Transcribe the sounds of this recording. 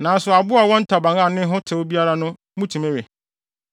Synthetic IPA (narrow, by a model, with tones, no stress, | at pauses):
nã˨˦sʊ˨a˨bʊ˦a˨wɔ̃˦n̩˦tʰa˨bã˨ŋã˦˨nɪ̃˦ɦʊ˦tʰɪ˨wo˦bi˦a˦ɾa˦nʊ̃˦ | mũ˦tʰũ˨mẽ˦ɥɛ˨